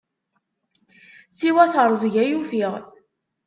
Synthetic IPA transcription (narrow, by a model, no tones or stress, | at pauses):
siwæθəɾˤzˤʝæjufiʁ